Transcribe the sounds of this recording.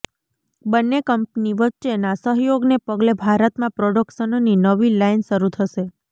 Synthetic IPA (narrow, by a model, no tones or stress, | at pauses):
bənːekəmpniʋətːʃenasəɦjoɡnepəɡlebʱaɾət̪mãpɾoɖəkʃənoninəʋilainʃəɾut̪ʰəʃe